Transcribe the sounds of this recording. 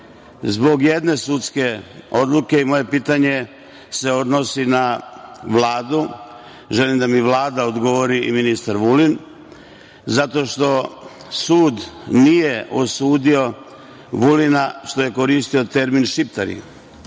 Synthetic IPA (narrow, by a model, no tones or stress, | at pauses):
zbo̞ɡje̞d̪ne̞sut̪ske̞o̞d̪luke̞imo̞je̞piːt̪aɲe̞ | se̞o̞d̪no̞sinaʋlaːd̪u | ʒelimd̪amiʋlˠaːd̪aod̪ɡo̞ʋoɾiiminist̪aɾʋulin | zat̪o̞ʃt̪o̞ | suːd̪nije̞ʔosuːd̪io̞ | ʋulinaʃt̪o̞je̞ko̞ɾiːst̪io̞t̪e̞ɾminʃipt̪aɾḭ